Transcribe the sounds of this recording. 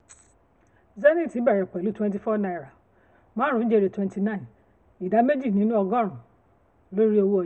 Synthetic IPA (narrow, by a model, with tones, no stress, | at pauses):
zɛ˦nĩ˦˨ti˨˦ba˨ɾɛ˨k͡pa˨lu˦twɛ̃˦nt̬i˨fɔ˦nã˨ɛ˨ɾa˨ | mã˦ɾ̃ʊ̃˦n̩˦d͡ʒe˦˧ɾe˨twɛ̃˦nti˨nã˦˨n | i˨da˨˦me˦d͡ʒi˦˨nĩ˨˦nũ˦ɔ˧ɡɔ̃˦˨ɾ̃ʊ̃˨ | lo˦ɾi˦o˧wu˦ɔ˨˦